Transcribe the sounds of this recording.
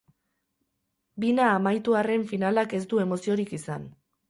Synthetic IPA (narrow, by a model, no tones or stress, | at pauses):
binaːmajt̪uare̞ɱfinalake̞sd̪ue̞mo̞sio̞ɾikisan